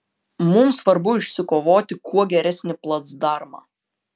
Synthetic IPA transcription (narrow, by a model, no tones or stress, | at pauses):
mʊmsʋɐɾbʊɪʃʲsʲɪkoːʋoːt̪ʲɪkʰuɔɡʲɛɾʲɛsʲnʲɪplˠɐt̪sd̪ɑɾmɑ̰ː